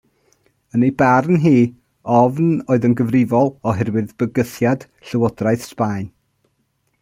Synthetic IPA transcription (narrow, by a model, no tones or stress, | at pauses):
ənejbarnɦiː | ɔvnoːɨðənɡəvrɪvɔlˠɔɦɛrwɨðb̥əɡəθjad̥ | ɬəwɔdrajθspajn